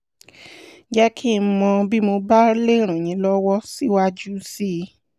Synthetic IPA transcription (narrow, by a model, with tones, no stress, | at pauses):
d͡ʒɛ˦kʰi˦˨˦mɔ̃˧bi˦mo˧ba˦le˦˨ɾ̃ã˨j̃ĩ˨˦lɔ˦wɔ˦si˦wa˦d͡ʒu˦si˦˨˧